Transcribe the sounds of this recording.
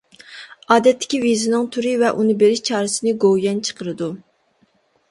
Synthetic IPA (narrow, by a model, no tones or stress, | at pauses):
ɑːd̪ɛt̪ʰːɪ̥kʲivizɨnɨŋt̪ʰuɾɨvɛʔunɨbeɾɪʃt͡ʃʰɑːɾɨsɨnɨɡowjɛnt͡ʃʰə̥qəɾɨd̪u